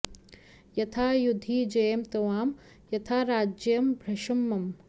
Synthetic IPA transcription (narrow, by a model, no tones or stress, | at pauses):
jɐt̪ʰaːjud̪ʱiːd͡ʒɐjɐmt̪ɐʋaːm | jɐt̪ʰaːɾaːd͡ʒjɐmbʱɾɐʃɐmːɐm